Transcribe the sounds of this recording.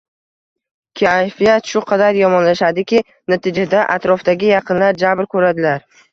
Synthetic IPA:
kʲʰajfijat̪ʃʊqʰɑd̪aɾjɒmɒnlaʃad̪ɪkʲɪ | nat̪ʰɪd͡ʒad̪aʔa̰t̪ɾɒfd̪aɡʲɪjɑqʰɨnlaɾd͡ʒabɾkʰɵɾad̪ɪlaɾ

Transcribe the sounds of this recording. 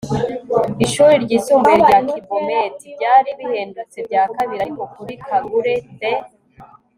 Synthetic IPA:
iʃuɾiɾɟiːsuːmbujeɾɟakibometibɟaːɾiβihe̞ːndut͡se̞bɟaːkaβiɾaɾiko̞kuɾikaɡuɾebe

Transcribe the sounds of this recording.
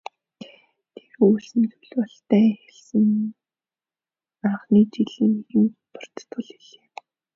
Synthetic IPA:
t̪ʰeɾuːɮsɘ̆nt͡sujɮpɔɬt̪æːxeɮsɘ̆ŋ | aɴχniːt͡ɕiɮiːŋeɣɘ̆mpʊ̥r̥t̪ːʰʊɮiɮeː

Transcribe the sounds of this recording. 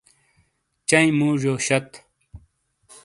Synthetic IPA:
t͡ɕɐĩmuːʐoːɕɐt̪

